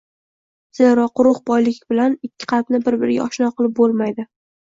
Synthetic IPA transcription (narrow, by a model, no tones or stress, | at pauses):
z̥eɾɒqʊɾʊχbɒjlɪkʲbɪlanɪkʲʰːɪ̥qʰɑlpnɪbɪɾbɪɾɪɡʲa̰ʔɒʃnɒqɨlˠɪp̚bolˠmajd̪ɪ